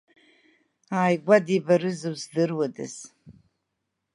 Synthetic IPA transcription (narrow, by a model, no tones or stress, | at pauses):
aːjɡʷadibaɾɨzɨwzdɨrwadɨ̰s